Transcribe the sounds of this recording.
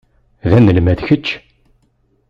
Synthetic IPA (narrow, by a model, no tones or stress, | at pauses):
ðænːəlmæðçət͡ʃː